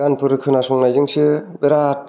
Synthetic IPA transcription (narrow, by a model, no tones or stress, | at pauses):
anpɯɾɯkʰɯnasuŋnajd͡ʒɯŋsɯbeɾat̚